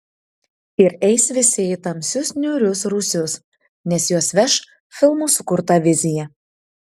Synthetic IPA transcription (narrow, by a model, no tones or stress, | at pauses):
ɪɾɛɪsʋʲɪsʲɪit̪ɐmʲsʲʊsnʲʊɾʲʊsɾuːsʲʊs | nʲɛsjuɔsʋʲɛʃ | fʲɪlˠmuːsʊkʊɾt̪ɐʋʲɪzʲɪjɛ